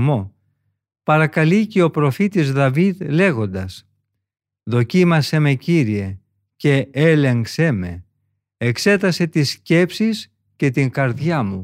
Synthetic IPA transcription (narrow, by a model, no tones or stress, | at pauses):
mo̞ | pɐɾɐkɐliceo̞pɾo̞fit̪izðɐviðle̞ɣo̞nd̪ɐs | ðo̞cimɐse̞me̞ciɾie̞ | ce̞ele̞ŋkseme̞̰ | ekse̞t̪ɐse̞t̪isce̞psis | ce̞t̪iŋkɐɾðjɐmu